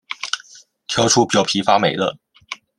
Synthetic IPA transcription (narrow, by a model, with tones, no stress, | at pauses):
t̪ʰjɑ˧˥ʊʈ͡ʂʰu˥˩pi˨˩jɑ˥˩ʊpʰi˧˥fa˥me˨˩ɪlə̰˧˩